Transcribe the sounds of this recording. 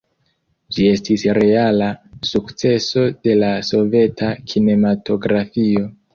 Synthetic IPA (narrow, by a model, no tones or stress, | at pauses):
d͡ʒie̞stisɾe̞alasukt͡se̞so̞de̞laso̞ve̞tʰakʰine̞matʰo̞ɡɾafio̞